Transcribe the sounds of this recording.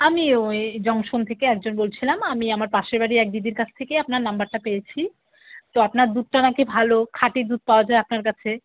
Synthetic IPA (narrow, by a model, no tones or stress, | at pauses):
amid͡ʑɔŋʃont̪ʰekeɛk̚d͡ʑonbolt͡ɕʰilamamiamaɾpaʃeɾbaɽiɛk̚d̪id̪iɾkat͡ɕʰt̪ʰekeapnaɾnambaɾʈapejet͡ɕʰi | t̪oapnaɾd̪ud̪̚ʈanakebʱalokʰaʈid̪ud̪̚paoad͡ʑaeapnaɾkat͡ɕʰe